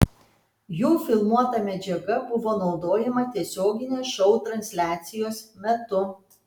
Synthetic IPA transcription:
juːfʲɪlˠmuɔt̪ɐmʲɛd͡ʒʲɛɡɐbʊʋoːnɒʊd̪oːjɛmɐt̪ʲiɛsʲoːɡʲɪnʲeːʃɔʊt̪ɾɐnʲsʲlʲæːt̪sʲɪjoːsmʲɛt̪ʊ

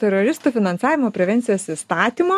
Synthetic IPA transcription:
t̪ʲɛɾoːɾʲɪst̪uːfʲɪnɐnsɑːʋʲɪmoːpʲɾʲɛʋʲɛnʲt̪ʲɪjoːsist̪ɑːt̪ʲiːmoː

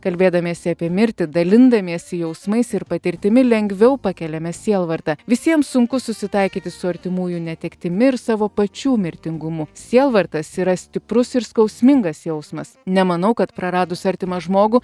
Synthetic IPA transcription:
kɐlʲbʲeːd̪ɐmʲiɛsʲɪɐpʲiɛmʲɪɾʲt̪ʲɪd̪ɐlʲɪnd̪ɐmʲiɛsʲɪjɛʊsmɐɪsɪɾpɐt̪ʲɪɾʲt̪ʲɪmʲɪlʲɛŋʲɡʋʲɛʊpɐkʲɛlʲɛmʲɛsʲiɛlˠʋɐɾt̪ɐʋʲɪsʲiɛmsʊŋkʊsʊsʲɪt̪ɐɪkʲiːt̪ʲɪsʊɐɾʲt̪ʲɪmuːjunʲɛt̪ʲɛkt̪ʲɪmʲɪɪɾsɑːʋoːpɐt͡ʃʲuːmʲɪɾʲt̪ʲɪŋɡʊmusʲiɛlˠʋɐɾt̪ɐsiːɾɐsʲt̪ʲɪpɾʊsɪɾskɐʊsʲmʲɪŋɡɐsjɛʊsmɐsnʲɛmɐnɐʊkɐt̪pɾɐɾɑːd̪ʊsɐɾʲt̪ʲɪmɐʒmoːɡʊ

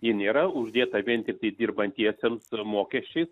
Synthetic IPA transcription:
jɪnʲeːɾɐʊʒʲd̪ʲeːt̪ɐʋʲiɛnt̪ʲɪk̚t̪ɐɪd̪ʲiːrbɐnʲt̪ʲiɛsʲemsmoːkʲɛʃʲt͡ʃʲɛɪs

